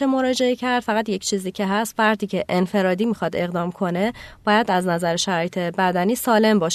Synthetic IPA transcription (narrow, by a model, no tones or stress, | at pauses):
emo̞ɾɒːd͡ʒe̞ecʰæɾd̪̥fæɣæd̪je̞cʰt͡ʃʰiːziːcʰe̞ɦæst̪væɾd̪ʰiːcʰe̞ʔenfe̞ɾɒːd̪iːmixɒd̪e̞ɣd̪ɒːmkʰo̞ne̞b̥ɒːjæd̪æznæzæɾeʃæɾɒːjet̪ʰe̞bæd̪æniːsɒːle̞mbɒːʃ